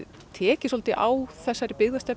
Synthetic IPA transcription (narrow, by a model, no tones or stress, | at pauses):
t̪ʰɛːcɪsɔlt̪ɪʔaːwθɛsːaɾɪpɪɣðast̪ɛp